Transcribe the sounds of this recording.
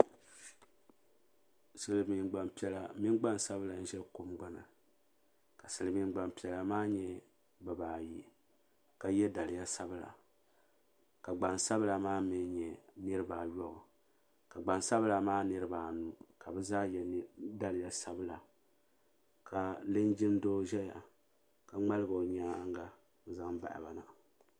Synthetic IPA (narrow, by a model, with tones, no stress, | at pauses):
sɨ˨lɨ˨mi˨nɡ͡ba˨m˨pi˦ɛ˦la˨mi˦nɡ͡ba˦nsa˦βɨ˦la˨n̩˦ʒɛ˦lko˦mɡ͡ba˦na̰˨ | ka˨sɨ˨lɨ˨mi˦n˦ɡ͡ba˨mpi˨ɛ˨la˨maː˦ɲɛ˦ | bɨ˨baː˨ji˦ | ka˨jɛ˦da˨lɪ˨ja˦sa˦bɨ˦˨la̰˨ | ka˨ɡ͡ba˨nsa˦βɨ˦la˨maː˦mɨ˨˦ɲɛ˨nɨ˦ɾɨ˦baː˨jɔ˦ɣʊ˨ | ka˨ɡ͡ba˨nsa˦βɨ˦la˨maː˦nɨ˦ɾɨ˦baː˨nu˦ka˨bɛ˦zaː˦jɛ˨˦da˦lɪ˨ja˦sa˦bɨ˦la˨ | kʰa˨lɨ˦nd͡ʒɪ˦mdoː˦ʒɛ˦ja̰˨ | ka˨ŋ͡ma˦lɨ˦ɡo˨o˨ɲa˦ŋɡa˦ | n̩˦za˦ŋba̰˨ʔɪ̰˨ba˨na˨